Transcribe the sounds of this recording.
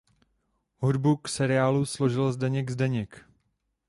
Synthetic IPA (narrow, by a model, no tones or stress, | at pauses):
ɦudbuksɛɾɪaːluslo̞ʒɪlzdɛɲɛɡzdɛɲɪk